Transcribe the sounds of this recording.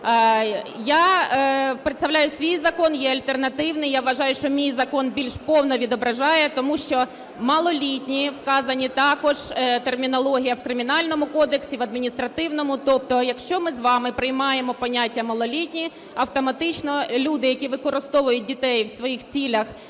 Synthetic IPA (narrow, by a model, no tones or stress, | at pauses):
ja | pɾɪt̪st̪ɐʋlʲajʊsʲʋʲijzɐkɔnjɛɐlʲt̪ernɐt̪ɪwnɪjaʋʋɐʒɑjʊʃt͡ʃɔmʲijzɐkɔnbʲilʲʃpɔwnɔʋʲid̪ɔbɾɐʒɑjɛt̪ɔmuʃt͡ʃɔ | mɐlˠɔlʲitʲnʲiwkɑzɐnʲit̪ɑkɔʒ̥t̪e̞rmʲinɔlˠɔɦʲijɐwkɾɪmʲiɪnɑlʲnɔmʊkɔd̪eksʲiʋɐd̪̚mʲinʲist̪ɾɐt̪ɪwn̪ɔmʊt̪ɔp̚t̪ɔjɐkʃt͡ʃɔmɪzʋɑmɪpɾɪjmɑjemɔpɔnʲatʲːɐmɐlˠɔlʲitʲnʲi | ɐwt̪ɔmɐt̪ɪt͡ʃnɔlʲud̪ɪjɐkʲiʋɪkɔɾɪst̪ɔʋʊjʊt̚ʲdʲit̪ɛjwsʋɔjixt͡sʲilʲɐx